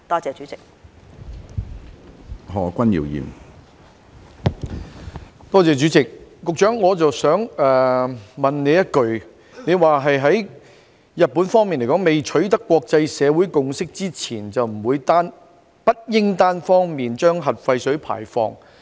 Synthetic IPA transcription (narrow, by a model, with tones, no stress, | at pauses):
t̪ɔː˥t͡sɛː˨˧t͡ʃy˨˥t͡sɪ˨k̚ | hɔː˨˩kʷɐ˥njḭː˨˩wjḭː˨˩m | t̪ɔː˥t͡sɛː˨˧t͡ʃyː˨˥t͡sɪ˨k̚ːʊ˨k̚t͡ʃœː˨˥ŋːɔː˨˧t͡sɐ˨wsœː˨˥ŋɛː˨mɐ˨nne˨˧jɐ˥t̚kɵ˨ɥ | ne˨˧jwaː˨ɦɐ˨jɦɐ˨˥j | jɐ˨t̚pːuː˨˥nfɔː˥ŋmiː˨nle˨˩kɔː˨˥ŋme˨jt͡ʃʰɵ˨˥ɥt̪ɐ˥kːwɔː˧k̚t͡sɐ˧jsɛː˨˧wuː˨˥jkʊ˨ŋsɪ˥k̚t͡siː˥t͡sʰiː˨˩nt͡sɐ˨wm̩˨˩wuː˨˧jt̪aː˥n | pɐ˥t̚jɪ˥ŋt̪aː˥nfɔː˥ŋmiː˨nt͡ʃœː˥ŋɦɐ˨t̚fɐ˧jsɵ˨˥pʰa̰ː˨˩jfɔ̰ː˧ŋ